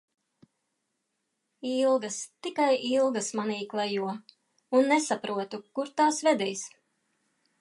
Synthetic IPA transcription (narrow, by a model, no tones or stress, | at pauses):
ilˠɡɐst̪ikajʔilˠɡɐsmaniːklˠɛjuɔ | unːɛsapɾuɔt̪ukuɾt̪aːsvɛd̪ɛjs